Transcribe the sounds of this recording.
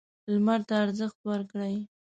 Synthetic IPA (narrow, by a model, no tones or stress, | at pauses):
lmaɾt̪aːɾzəxt̪wəɾkɽaj